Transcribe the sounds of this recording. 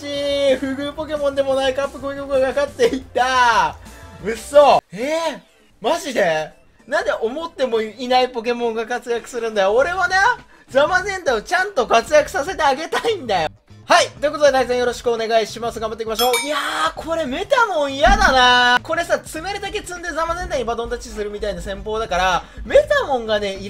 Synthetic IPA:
iɸɯ̟ɡɯ̟ːpo̞k̬e̞mõ̞nd̪e̞mo̞naikapːɯ̟koikokɯ̟ɡakakat̪ːe̞it̪a | mɯ̟sːo̞e | maʑid̪e̞ | nãnd̪eʔomo̞t̪ːe̞moinaipo̞k̬e̞mõ̞ŋɡakat͡sɨjakɯ̟sɨɾɯ̟̃nd̪ajoːɾe̞βane̞ | d͡zamazẽ̞nt̪aiot͡ɕãnt̪o̞kat͡sɨjakɯ̟̥sase̞t̪e̞aɡe̞t̪aĩnd̪ajo | hait̪o̞ikot̪od̪e̞t̪aizẽjo̞ɾo̞ɕi̥kɯone̞ɡaiɕimasɨɡambat̪ːekʲimaɕo̞ːiakʰo̞ɾe̞me̞t̪amõ̞ɰ̃ijad̪anako̞ɾe̞sat͡sɨme̞ɾɯ̟d̪ak̬e̞t͡sɨ̃nd̪e̞zamazẽ̞naɲ̟ibad̪õ̞nt̪at͡ɕis̬ɨɾɯ̟mʲit̪ainasẽ̞mpo̞ːd̪akaɾame̞t̪amõ̞ŋɡane̞i

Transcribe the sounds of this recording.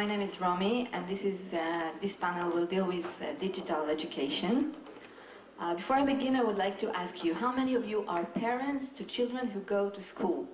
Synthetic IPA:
maɪnẽɪ̃mɪzɹɔmiɨ̃nðɪsɪzðɪspænəl̩ˠwɪlˠdilˠwɪðdɪd͡ʒɨɾəlˠɛd͡ʒɨkʰeɪʃɨ̃n | bɨfɔɹaɪbɨɡɪ̃naɪwədlaɪk̚tʰɨʔæskʰjɨɦaʊmɛniɔvjuʔə˞pʰɛɹə̃ntstʰɨt͡ʃʰɪlˠdɹə̃nɦuɡoʊɾuskʰulˠ

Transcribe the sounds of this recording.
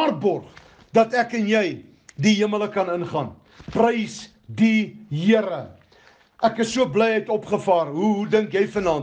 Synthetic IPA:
ɑːrbɔrχ | dɐtækənjɛj | diɦiəmələkɐnənχɑːn | prəjs | diɦiəɾə | ʔækəsːuəblɛjɛjtɔpχəfɑːrɦuɦudəŋkjɛjfənɑːn

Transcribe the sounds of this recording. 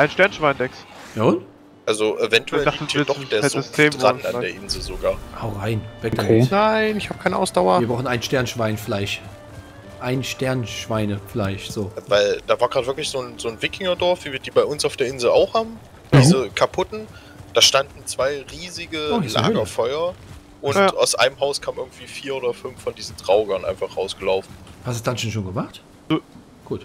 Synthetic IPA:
ʔaɪnʃtɛɐnʃv̥aɪndɛksjaːʊnt | ʔalzoʔevɛntuɛld̥aχtəɪd̥ɔd̥eːɐɛzɪstʰeːmʁana̰deːɐʔɪnzl̩zoɡaːɐʔaʊʁaɪnv̥ɛkd̥naɪnɪçhaːb̥̚kʰaɪnəʔa̰ʊsd̥aʊɐiɐbʁaʊxnʔaɪnʃtɛɐnʃv̥aɪnflaɪʃ | ʔaɪnʃtɛɐnʃv̥aɪnəfɪlaɪçz̥oːvaɪld̥aːvaːɐɡʁaːtv̥ɪɐklɪçz̥oːnzoːnvɪkʰɪŋɐdɔɐfv̥iːviːɐdiːbaɪʊnsaʊfd̥eːɐʔɪnzl̩a̰ʊxhaːbm̩ | diːzəkʰapʰʊtn̩ | d̥aːʃtandn̩t͡sv̥aɪʁiːzɪɡəla̰ːɡɐfɔʏɐ | ʔʊnʔa̰ʊsʔa̰ɪnəmɦaʊskʰaːmʔɪɐɡŋ̩tv̥iːfiːɐʔoːdɐfʏnfːɔndiːzn̩dʁ̥aʊɡɐnʔa̰ɪnfaχʁ̥aʊsɡ̥əlaʊfn̩hastusd̥anʃoːnʃ̬oːnɡəmaχtː | ɡ̥uːt

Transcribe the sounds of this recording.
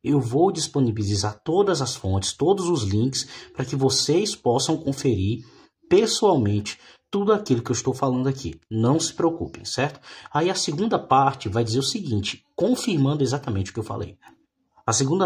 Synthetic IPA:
ewvowd͡ʒisponibilizaɾt̪od̪ɐzɐsfõnt͡ʃɪ̥st̪od̪ʊzʊzlĩkɪ̥spɾɐkɪvosejspɔsɐ̃w̃kõfeɾiɾ | pesuawmẽnt͡ʃɪ̥ | t̪ud̪ʊakilʊkɪewɪst̪owfalɐ̃nd̪ʊakḭnɐ̃w̃sɪ̥pɾeokṵpḛ̃sɛɾt̪ʊ̥aiɐseɡũd̪ɐpaɾt͡ʃɪvajd͡ʒizeɾʊsɪɡĩnt͡ʃɪ̥kõfiɾmɐ̃nd̪ʊezat̪ɐmẽnt͡ʃɪʊ̥kɪewfa̰lḛj | ɐseɡũnd̪ɐ

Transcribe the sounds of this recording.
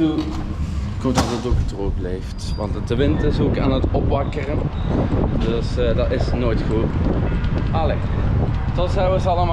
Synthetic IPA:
u | kɔmtadədokətəroːklejftʋɑ̰ntdəʋɪntɪsoːka̰ːnətɔpʋɑkərən | døsdɑtɪsnoːjtxu | ʔɑle | tɔtsɛjʋəsɑlˠəm

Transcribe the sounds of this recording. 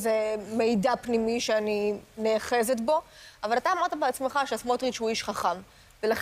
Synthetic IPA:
zeme̞jdapnimiʃeanineaχe̞zet̪̬bo̞avalataːmaʁt̪abeat͡smeχaʃeasmotʁit͡ʃhuiʃχaχam | velaχ

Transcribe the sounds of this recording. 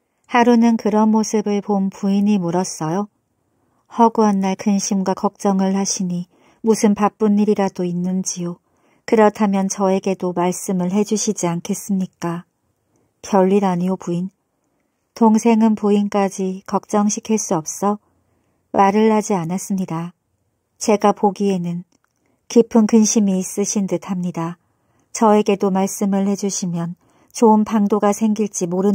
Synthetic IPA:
haɾunɯnkɯɾʌnmosʰɯbɯɭponpuiɲimoɾʌs͈ʌjo | hʌɡuanːaɭkɯnɕʰimɡwakʌk̚t͡ɕ͈ʌŋɯɭhaɕʰiɲi | musʰɯnpap͈uniɾiɾadoinːɯnd͡ʑijo | kɯɾʌtʰamjʌnt͡ɕʌe̞ɡe̞domaɭs͈ɯmɯɭɦe̞d͡ʑuɕʰid͡ʑiankʰe̞s͈ɯmɲik͈a | kjʌɭːiɾaɲiopuin | toŋsʰe̞ŋɯnpuink͈ad͡ʑikʌk̚t͡ɕ͈ʌŋɕʰikʰiɭs͈uʌp̚s͈ʌ | maɾɯɭːad͡ʑianas͈ɯmɲida | t͡ɕe̞ɡapoɡie̞nɯn | kipʰɯnkɯnɕʰimiːs͈ɯɕʰindɯtʰamɲida | t͡ɕʌe̞ɡe̞domaɭs͈ɯmɯɭhe̞d͡ʑuɕʰimjʌn | t͡ɕoɯnpʰaŋdoɡasʰe̞ŋɡiɭt͡ɕ͈imoɾɯ

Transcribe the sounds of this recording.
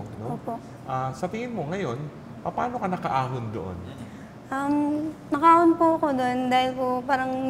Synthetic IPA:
nooːpoʔ | ʔasɐt̪ɪŋɪnmo̞ŋɐjo̞n | pɐpaːno̞kɐnɐkɐʔaːɦond̪oʔo̰n | ʔɐmnɐkɐʔaːhonpʊʔɐko̞d̪oʔond̪aːhɪlkopaːɾɐŋ

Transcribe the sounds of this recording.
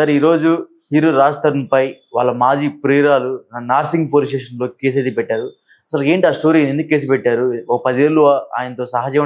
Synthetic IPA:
sɐɾiːɾo̞ːd͡ʒu | hiːɾoɾaːst̪ɐɾɐnpɐj | ʋa̰ːɭːɐmaːd͡ʒiːpɾeːɾaːlunaːɾsiŋɡ̚poːlisʂʈeːʂɐnlo̞ːke̞ːs̬eːd̪ipɛʈːaːɾu | ɐsɐle̞ːɳʈiaːsʈo̞ːɾinend̪ukːkːe̞ːs̬upɛʈːaːɾuɔkɐpɐd̪ieːlːuʋaa̰ːjɐnɐt̪oːsɐɦaːd͡ʒɐʋɐ

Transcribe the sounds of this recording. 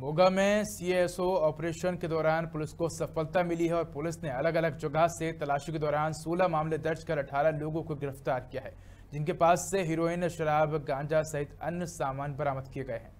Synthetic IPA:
moːɡamẽsiːesoɔːpɾeːʃənked̪ɔːɾaːnpʊlɪskosɐfəlt̪amɪliɦɛɔːɾpʊlɪsneɐləɡɐləɡd͡ʒɐɡaset̪ɐlaːʃiked̪ɔːɾaːnsuːlamaːmled̪ɐɾt͡ʃkɐɾɐʈʰaːlaloːɡõkoɡɪɾəft̪aːɾkijaɦɛː | d͡ʒɪnkepaːsːeɦiɾoːɪnʃɐɾaːbɡãːɲd͡ʒasɐɦɪt̪ɐnjəsaːmaːnbɐɾaːməd̪kijeɡɐeɦɛ̰̃ː

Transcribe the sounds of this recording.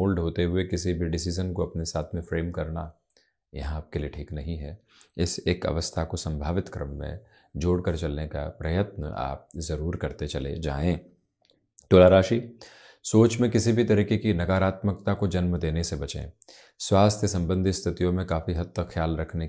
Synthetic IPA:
oːlɖɦoːt̪eɦʊekɪsibʱiɖɪsiːzənkoɐpnesaːt̪ʰmẽfɾeːmkɐɾna | jɐ̰ɦãaːp̚kelijeʈʰiːknɐɦĩɦɛ | ɪseːkɐ̰ʋəst̪ʰakosɐ̃mbʱaːʋɪt̪kɾə̰mːḛ̃ | d͡ʒoːɽkɐɾt͡ʃɐlneka̰pɾɐjət̪nə̰ʔa̰ːp̚zɐɾuːɾkɐɾt̪et͡ʃɐlḛd͡ʒa̰ːẽː | ʈ̪oːlaːɾaːʃi | soːt͡ʃmẽkɪsibʱit̪ɐɾiːkekinɐkaːɾaːt̪məkt̪akod͡ʒɐnmd̪eːnesebɐt͡ʃḛ̃ | swaːst̪ʰjəsɐ̃mbə̃nd̪ʱist̪ʰɪt̪ijõmẽkaːfiɦɐt̪ʰːəxjaːlɾɐkʰne

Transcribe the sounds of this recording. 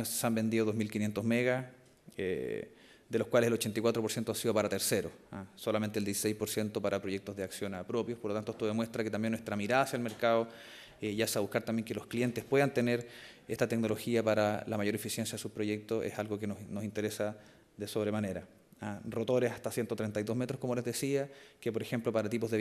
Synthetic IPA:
seambe̞nd̪iðoðo̞ɦmilkinjent̪oɦmeɣa | ḛ | ðelohkwaleselo̞t͡ʃent̪ikwat̪ɾopo̞ɾsjent̪oasiðo̞paɾat̪e̞ɾseɾoasolament̪eld̪jiesi̥sejspoɾsjent̪o̞paɾapɾo̞ʝek̚t̪ozðeaksjo̞napɾo̞pjopoɾlot̪ant̪oet̪oðemwe̞st̪ɾaket̪ambjenːwet̪ɾamiɾaðasjalme̞ɾkaðo | ejasaβuhkaɾt̪ambjeŋkelohklije̞nt̪espweðant̪eneɾ | eht̪at̪ekno̞lo̞xiapaɾalamaʝo̞ɾefisje̞nsjaðesuspɾo̞jek̚t̪osḛsalɣokenonosint̪eɾesa | ðeso̞βɾemane̞ɾa | aro̞t̪o̞ɾesast̪asjent̪ot̪ɾent̪ajðo̞ɦmet̪ɾoko̞molezðesiakepo̞ɾexe̞mplo̞paɾat̪ipoðe

